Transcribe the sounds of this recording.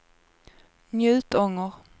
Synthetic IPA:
njʉ̟ːt̪ɔŋːəɾ

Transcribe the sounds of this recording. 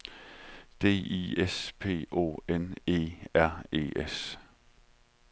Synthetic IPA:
d̥e̝̰ːḭːespʰe̝̰ːʔo̝̰ːene̝̰ːæɐ̰e̝̰ːʔes

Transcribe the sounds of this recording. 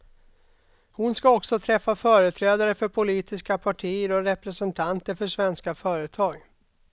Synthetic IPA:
hʊnskaɔksɔt̪ʰɾɛfːafœːɾət̪ʰɾɛːd̪aɾəfœɾpʰʊliːt̪ɪskapʰaʈʰiːəɾɔɾɛpɾɛsɛnt̪ʰant̪əɾfœʂvɛnskafœːɾət̪ʰɑːɡ

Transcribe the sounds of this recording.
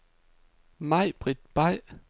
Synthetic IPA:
mɑɪ̰b̥ʁid̥̚b̥ɑɪ̰

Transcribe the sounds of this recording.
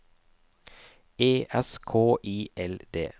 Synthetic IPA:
eːʔɛskʰoːʔiːʔɛld̪̥ḛː

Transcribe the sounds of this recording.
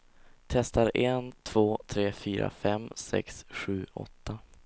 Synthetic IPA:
t̪ʰɛst̪aɾɛnt̪ʰv̥oːt̪ʰɾeːfyːɾʔa̰fɛmsɛ̰ksɧʉ̟ːʔɔ̰t̪ːa

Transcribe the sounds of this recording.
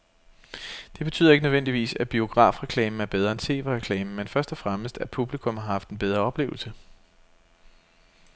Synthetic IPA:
d̥e̝b̥e̝t͡sʰy̰ːð̰ˠɐeɡənøen̰d̥iʋḭːsæb̥io̝ɡ̥ʁɑ̰̈ːfʁɛkʰlɛ̰ːmn̩æɐb̥eð̞ˠʁɐent͡sʰe̝̰ːʋeʁɛkʰlɛːməmenfɶɐsd̥ɒ̽fʁaməsd̥æpʰub̥likʰɔ̽mhɑ̈hɑ̈fd̥enb̥eð̞ˠʁɐɒ̽b̥le̝̰ːʊl̩sə

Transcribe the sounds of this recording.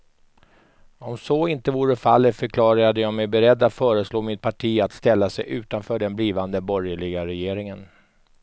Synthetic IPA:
ɔmsɔɪnt̪əvuːɾəfalːət̪fœɾkʰlɑːɾaad̪əjɑːmɛjbɛɾɛd̪ːat̪fœːɾəsloːmɪt̪̚pʰaʈʰiːat̪st̪ɛlːasɛjʔʉ̟ːt̪anfœːɖɛnbliːvand̪əbɔɾjəɭɪɡaɾɛjeːɾɪŋən

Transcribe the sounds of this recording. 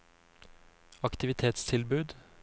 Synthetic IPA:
ɑkt̪ɪʋɪt̪ʰeːt̪st̪ʰɪlbʉːd̪

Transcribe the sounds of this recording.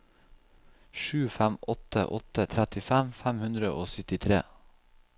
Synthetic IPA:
ʃʉːfæmɔt̪ə̰ʔɔ̰t̪ət̪ʰɾæt̪ɪfæmfæmhʉnd̪ɾəʔoːsʏt̪ɪt̪ʰɾḛː

